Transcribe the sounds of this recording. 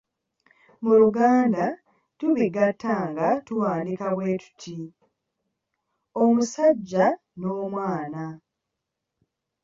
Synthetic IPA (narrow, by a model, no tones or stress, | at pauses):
muluɡaːnda | tuβiɡatʰːaːŋɡatuwaːndikaβwe̞ːtu̥tʰi | omusaɟːa | no̞ːmwaːna